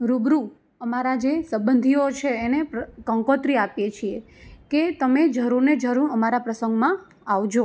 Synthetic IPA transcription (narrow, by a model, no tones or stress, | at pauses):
ɾubɾu | əmaɾad͡ʒesəbənd̪ʱiot͡ʃʰeːnepkə̃ŋkot̪ɾiapjet͡ʃʰie | ket̪əmed͡ʒəɾuɾned͡ʒəɾuɾəmaɾapɾəsəŋɡmã | aʋd͡ʒo